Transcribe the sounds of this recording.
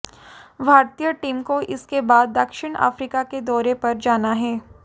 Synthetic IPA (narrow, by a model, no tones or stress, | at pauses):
bʱaːɾt̪ijəʈiːmkoʔɪskebaːd̪ːɐkʃɪɽ̃a̰ːfɾiːkaked̪ɔːɾepɐɾd͡ʒaːnaɦɛː